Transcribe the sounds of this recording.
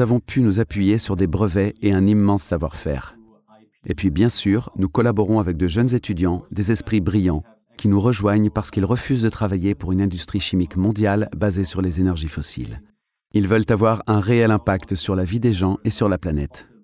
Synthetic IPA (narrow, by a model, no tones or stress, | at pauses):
avɔ̃pʰynuzapɥijesyʁd̪ebʁəvɛeɛ̃nimːɑ̃sːavwa̰ʁfɛ̰ːʁ | ḛpɥibjɛ̃syʁnukɔlabɔʁɔ̃avɛk̚d̪əʒənzet̪ʰyd̪jɑ̃d̪ezɛspχibʁijɑ̃ | kʲinuʁəʒwaɲpaʁsə̥kilʁəfyzd̪ət̪χavajepuʁynɛ̃d̪yst̪χiʃimikmɔ̃d̪jalbazesyʁlezenɛʁʒifɔsḭl | ilvœlt̪avwaʁɛ̃ʁeɛlɛ̃pakt̪əsyʁlavid̪eʒɑ̃ʔesyʁlaplanɛ̰t̪